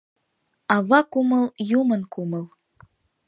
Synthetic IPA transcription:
ɑvɑkumɤ̆lˠjumɤ̆nkumɤ̆lˠ

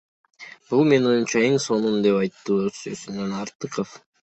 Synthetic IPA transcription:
b̥ulˠme̞no̞junt͡ʃɑeŋso̞numd̪e̞pɑjt̪ːɯsøsynønɑɾt̪ɯqəf

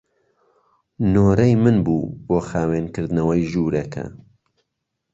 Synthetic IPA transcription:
noːɾɐjmɨnbuːboːxaːweːnkɨɾd̪nɐwɐjʒuːɾɐkʰɐ̰

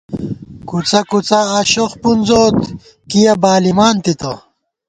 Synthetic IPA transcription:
kut͡sɐkut͡sɐːɕoxpunzoːt̪ | kijɐbaːlimaːnt̪it̪ɐ

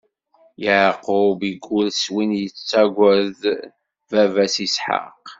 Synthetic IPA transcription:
jəʕqʊbiɡːulswinjət͡st͡sːæɡʷæð | vævæsisħa̰q

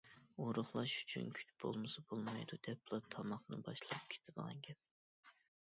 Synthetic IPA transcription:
oɾʊχlˠɑʃy̥t͡ʃʰy̰nkʲʰy̥t͡ʃb̥o̰lˠmɨsɑbolˠmɑjd̪ud̪̥ɛplˠɑt̪ʰɑmɑχnɨbɑʃlˠɑp̚kʲʰe̥t̪ʰɪd̪əʁɑ̰ŋɡʲɛp̚

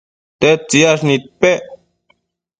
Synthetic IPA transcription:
t̪et͡siaʂnit̪̚pe

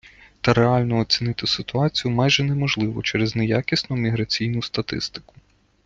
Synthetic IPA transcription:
t̪ɐɾeɑlʲnɔɔt͡sʲinɪt̪ɪsɪt̪ʊɑt͡sʲijʊmajʒɛnɛmɔʒlˠɪʋɔt͡ʃɛɾɪznejakʲisnʊmʲiɦɾɐt͡sʲijnʊst̪ɐt̪ɪ̰st̪ɪ̥kʊ̥

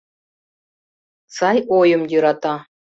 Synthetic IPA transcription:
sɑjojɤ̆mjɤ̆ɾɑt̪ɑ

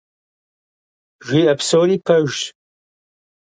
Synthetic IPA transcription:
ʒʷiːɐpsoːliːpʰɐʒt

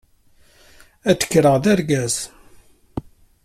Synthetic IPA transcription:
æt̪ːə̥kːɾəʁðæɾɡæz

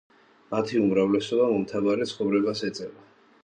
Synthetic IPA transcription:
mat̪ʰiumɾavlɛsɔbamɔmt̪ʰavaɾɛt̪sʰχɔvɾɛbasɛt̪sʼɛva

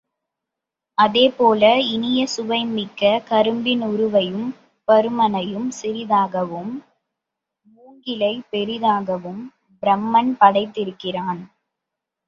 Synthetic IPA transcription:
ʔɐðeːpoːlɐɪnɪjɐsʊʋɐɪmɪkːɐkɐɾɯmbɪnʊɾʊʋɐjɯm | pɐɾɯmɐnɐjɯmsɪɾɪðaːɣɐʋɯm | uːŋɡɪlɐɪpɛɾɪðaːɣɐʋɯm | bɪɾɐmːɐnpɐɽɐɪt̪ːɪɾɯkːɪraːn

